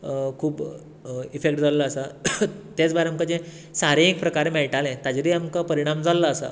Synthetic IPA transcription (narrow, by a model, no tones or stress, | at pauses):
kʰuːb | ifekʈd͡zalːaːsat̪at͡sbaɾeamkad͡ʑɛ̃ | saɾẽek̚pɾəkaɾemɛɭʈalɛ̃t̪ad͡ʑɾiamkapəɾiɽ̃amd͡zalːaːsa̰